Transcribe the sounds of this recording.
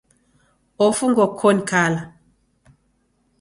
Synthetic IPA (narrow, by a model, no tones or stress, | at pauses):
ɔfuŋɡɔkʰɔnkʰala